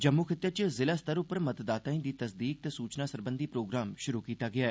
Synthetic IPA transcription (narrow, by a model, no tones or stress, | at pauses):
d͡ʒəmːuːkʰɪt̪ːət͡ʃəzɪlaːst̪əɾʊpəɾmət̪d̪aːt̪aːĩːd̪iːt̪əsd̪iːk̚t̪eːsuːt͡ʃnaːsəɾbənd̪iːpɾoːɡɾaːmʃʊɾuːkiːt̪aːɡɪaːɛː